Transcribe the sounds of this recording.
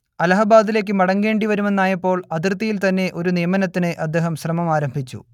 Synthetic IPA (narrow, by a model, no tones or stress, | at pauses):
ɐlɐɦɐbaːðile̞ːk̬ːɨmɐɽɐŋɡe̞ːɳɖiʋɐɾume̞nːaːjɐpːo̞ːɭɐd̪irt̪ːijilt̪ɐnːe̞ʔo̞ɾunijɐmɐnɐt̪ːinɨʔɐd̪ːe̞ːɦɐmɕrɐmɐmaːɾɐmbʱit͡ɕːṵ